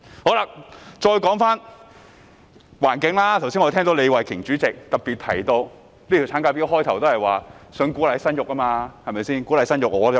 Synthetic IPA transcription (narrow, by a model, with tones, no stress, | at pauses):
ho˨˥wlaː˨˧t͡ʃɔː˧jkɔː˨˥ŋfaː˥n | waː˨˩nkɪ˨˥ŋlaː˥t̪ʰwsiː˥ŋɔ˧t̪ʰɛː˥ŋt̪o˨˧wle˨˧jwɐ˨˩jkʰɪ˨˩ŋt͡ʃyː˨˥t͡sɪ˨k̚t̪ɐ˨p̚piː˨t̪ʰɐ̰˨˩jt̪o˧w | li˥t̪ʰi˨˩t͡sʰaː˨˥nka˧p̬i˥ɦɔː˥jt̪ʰɐ˨˩wt̪o˥whɐ˨jwaː˨sɵ˨˥ŋkuː˨˥lɐ˨˧jsɐ˥njʊ˨k̚ɐ˥maː˧hɐ˨mɐ˨jsiː˥nku˨˥lɐ˨˧˥sɐ˥njʊ˨˩k̚ŋɔː˨˧˨